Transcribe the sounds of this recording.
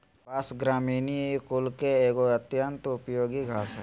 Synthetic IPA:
pasɡɾaːmiːnikʊlkeeːɡoət̪jənt̪ʊpjoːɡiɡʱaːsɦɛ

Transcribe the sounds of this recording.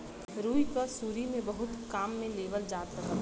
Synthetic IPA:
ɾuːikəsuːɾimẽbəɦʊt̪kaːmːẽleːbəld͡ʒaːt̪ɾəkət̪

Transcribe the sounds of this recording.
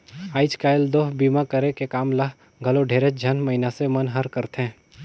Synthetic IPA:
aːɪt͡ʃkaːjld̪oːɦbiːmakɐɾekekaːmlaɦ | ɡʱɐloɖʱeːɾed͡ʒʱɐnmɐɦɪnasemɐnɦɐɾkəɾt̪ɛ̃ː

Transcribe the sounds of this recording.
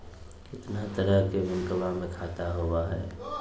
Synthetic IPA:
ɪt̪nat̪əɾəɦkeʋɪ̃ŋkəʋamẽkʰaːt̪aɦʊwaɦɛː

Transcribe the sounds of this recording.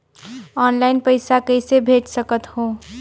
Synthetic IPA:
ɔːnlaɪnpəɪsakəɪsebʱeʈsəkət̪ho

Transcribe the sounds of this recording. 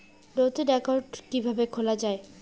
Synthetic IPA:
ɖot̪eɖɛkoɾɖkibʱabekʰolad͡ʑae

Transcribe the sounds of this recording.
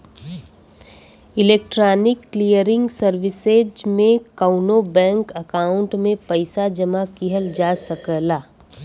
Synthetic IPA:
ɪleːk̚ʈɾaːnɪkːlijəɾɪ̃ŋɡsəɾʋɪsed͡ʒmẽkaʊnobɛ̃ːŋkəkaːʊ̃ɳʈmẽpɐɪsad͡ʒɐmakiɦəld͡ʒaːsɐkəlaː

